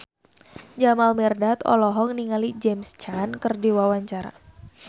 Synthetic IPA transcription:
d͡ʒamalmɛrdat̪ɔ̰lɔɦɔŋniŋalid͡ʒɛmst͡ʃankərdiwawaɲt͡ʃaɾa̰

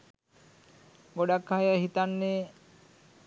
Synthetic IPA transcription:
ɡoɖakʰːajaɦit̪anːe

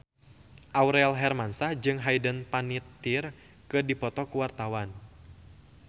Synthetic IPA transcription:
ʔauɾɛlɦɛrmansahd͡ʒɨŋɦajdənpanit̪ːir | kɨdipɔt̪ɔkuwart̪awan

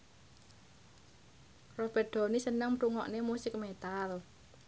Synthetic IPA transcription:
rob̥ɛ̤rɖ̪̥o̤nisənəŋmɾuŋɔʔnemusɪk̚met̪al

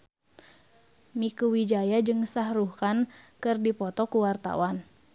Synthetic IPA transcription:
mikuwid͡ʒajad͡ʒɨŋsaɦɾuhkankɨrdipɔt̪ɔkuwart̪a̰wan

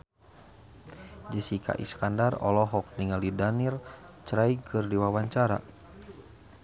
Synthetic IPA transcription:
d͡ʒəsikʰa̰ʔḭskandarɔ̰lɔɦɔk̚niŋalidanirt͡ʃɾaikʰɨrdiwawaɲt͡ʃaɾa̰

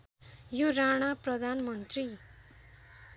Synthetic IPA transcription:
joɾaɽ̃aprʌd̪ʱanmʌnt̪ri

